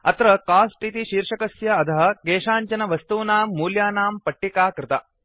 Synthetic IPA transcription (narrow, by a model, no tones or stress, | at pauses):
ɐ̰t̪ɾɐkaːsʈit̪iʃiːɾʂɐkɐsjɐɐd̪ɐɦɐ̆ɡeːʂaːɲt͡ʃɐnɐʋɐst̪uːnaːmːuːljaːnaːmpɐʈːikaːkɾɪt̪ɐ